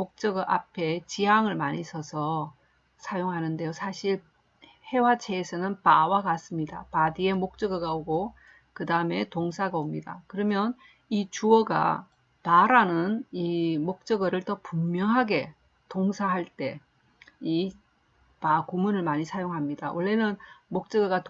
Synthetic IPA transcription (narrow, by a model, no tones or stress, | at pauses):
mok̚t͡ɕ͈ʌɡɯʔa̰pʰe̞t͡ɕiaŋɯɭmaɲisʰʌsʰʌ | sʰajoŋɦanɯnde̞josʰaɕʰiɭ | he̞wat͡ɕʰe̞ːsʰʌnɯnpawakas͈ɯmɲida̰padie̞mok̚t͡ɕ͈ʌɡɯɡaoɡo | kɯdaɯme̞toŋs̬ʰaɡaomɲida̰kɯɾʌmjʌn | it͡ɕuʌɡa̰ | paɾanɯnimok̚t͡ɕ͈ʌɡɯɾɯɭtʌpumːjʌŋɦaɡe̞ | toŋsʰaɦaɭt͈e̞ | i | pakomunɯɭmaɲisʰajoŋɦamɲidawʌɭːe̞nɯnmok̚t͡ɕ͈ʌɡɯɡat